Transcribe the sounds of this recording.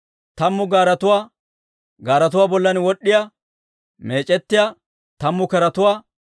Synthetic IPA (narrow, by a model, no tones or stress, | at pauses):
t̪ɐmːʊɡaːɾɐt̪ʊwaː | ɡaːɾɐt̪̬ʊwaːbɔlːɐnwɔɗːɪjɐ | me̞ːt͡ʃʼɛt̪ːɪja | t̪ɐmːʊkɛɾɐt̪ʊwaː